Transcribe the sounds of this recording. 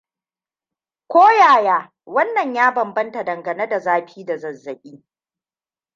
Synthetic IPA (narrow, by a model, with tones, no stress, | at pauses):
kʷoː˦jaː˨jaː˦ | wɐ˦nːɐ˨ɲjaː˦bɐ˨mbɐ˦nta˨dɐ˨ŋɡɐ˨ne˦da˨zaː˦ɸiː˦da˨zɐ˨zːɐ˨ɓʲiː˦